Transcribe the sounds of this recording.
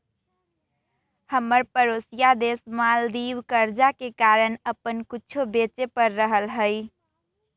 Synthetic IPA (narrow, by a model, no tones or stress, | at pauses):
həmːəɾpəɾosijad̪esmald̪ibkəɾd͡ʒakekaɾənəpənkit͡ʃʰobet͡ʃepəɾːəɦəlɦəɪ